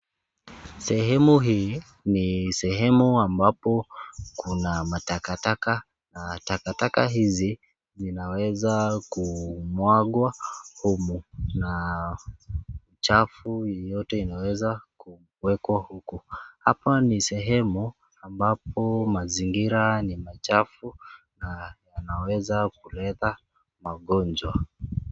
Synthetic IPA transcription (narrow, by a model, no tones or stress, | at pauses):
sɛɦɛmuɦiː | nisɛɦɛmuambapɔkunamatakataka | natakatakaɦizi | zinawɛzakumwaɠwahumuna | ut͡ʃafujɔjɔtɛinawɛzaku | wɛkwahukuha̰panisɛɦɛmu | ambapɔmaziŋɡiɾanimat͡ʃafu | najanawɛzak̚ulɛta | maɠɔnd͡ʒwa